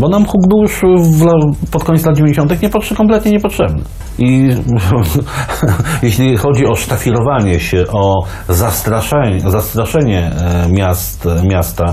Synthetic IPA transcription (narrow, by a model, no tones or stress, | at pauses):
bɔnamxuɡbɘwjuʂvlapɔt̪̚kɔɲtslad̪̚d͡ʑevʲẽɲd͡ʑeɕɔ̃nt̪ɘxɲɛpɔkɔmplɛt̪̚ɲɛɲɛpɔtʂɛbnɘ̰ | i | jeɕlʲixɔd͡ʑiɔʂt̪afʲiɾɔvaɲɛɕɛʔɔ | zast̪ɾaʂɛɲɛzast̪ɾaʂɛɲɛmʲast̪mʲjast̪a